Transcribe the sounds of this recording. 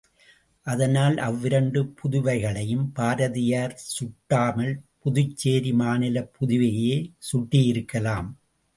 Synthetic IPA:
ʔɐðɐnaːlʔɐʋːɪɾɐɳɖɯpʰʊðʊʋɐɪɣɐɭɐjɯmpaːɾɐðɪjaːɾsʊʈːaːmɐlpʊðʊt͡ʃːeːɾimaːnɪlɐpːʊðʊʋɐjeːsʊʈːɪjɪɾɯkːɐlaːm

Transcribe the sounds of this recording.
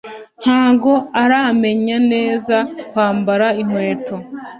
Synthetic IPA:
n̥haːɡo̞aɾame̞ɲane̞ːzawaːmbaɾaiŋwe̞ːto

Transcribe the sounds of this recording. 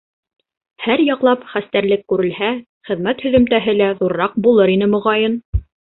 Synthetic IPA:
hæɾjɑqlˠɑpχæst̪æɾlɘkːʉɾɘ̆lhæ | χɘ̆ðmæt̪hɵ̆ðɘ̆mt̪æɦɘlæðuɾɾɑq̚bulˠɤɾinɘmŏʁɑjɤn

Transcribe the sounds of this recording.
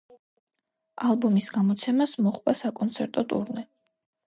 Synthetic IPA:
alˠbɔmisɡamɔt̪sʰɛmasmɔχʼvasakʼɔnt̪sʰɛɾt̪ʼɔt̪ʼṵɾnɛ

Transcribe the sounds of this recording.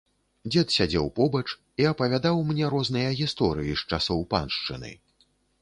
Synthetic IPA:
d͡zʲɛt̪sʲad͡zʲɛwpɔbɐt͡ʂ | iɐpɐvʲad̪awmnʲɛɾɔznɨjɐɣʲist̪ɔɾɨjiʂt͡ʂasɔwpa̰nʂt͡ʂɨ̰nɨ̰

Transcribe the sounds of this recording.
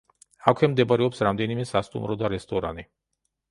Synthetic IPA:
akʰemd̪ebaɾjopsɾamd̪enimesast̪ṵmɾod̪aɾest̪oɾa̰ne

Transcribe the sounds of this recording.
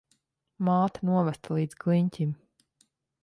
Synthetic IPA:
maːt̪anuɔvæst̪alˠiːd̪z̥ɡlˠiɲcʲim

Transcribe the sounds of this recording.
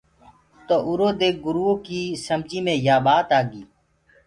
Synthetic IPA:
t̪oːʔʊɾoːd̪eːk̚ɡʊɾuːoːkiːsəmd͡ʒiːmẽːjaːɓaːt̪aːɡiː

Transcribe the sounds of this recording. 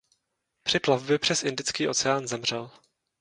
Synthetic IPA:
pr̥ɪplavbjɛpr̥ɛsʔɪndɪt͡skiːʔo̞t͡sɛaːnzɛmr̝ɛl

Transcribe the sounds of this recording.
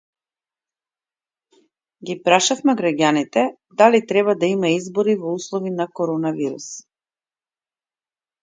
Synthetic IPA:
ɡipɾaʃafmɛɡɾaɡanit̪ɛ | d̪alit̪ɾɛβad̪aimaizbɔɾivɔuslˠɔvinakɔɾɔnaviɾus

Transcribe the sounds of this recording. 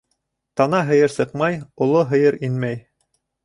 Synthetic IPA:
t̪ɑnɑɦɤ̆jɤɾsɤqmɑjŏlˠoɦɤ̆jɤɾinmæj

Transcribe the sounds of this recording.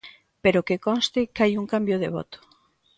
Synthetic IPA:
peɾokekɔnst̪ɪkajuŋkambjoðḛβɔ̰t̪ʊ̥

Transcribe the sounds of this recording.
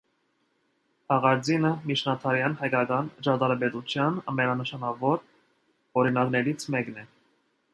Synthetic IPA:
hɑʁɑɾd͡zinəmit͡ʃnɑt̪ʰɑɾjɑnɦɑjkɑkɑnət͡ʃɑt̪ɑɾɑpɛt̪ut͡sʰjɑnɑ̰mɛnɑnəʃɑnɑvɔɾ | ɔɾinɑknɛɾit͡sʰmɛknɛ

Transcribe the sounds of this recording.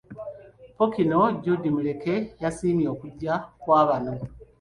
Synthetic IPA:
po̞kino̞ɟudimule̞ke̞jasiːmjo̞ːkuɟːakwaːβano̞

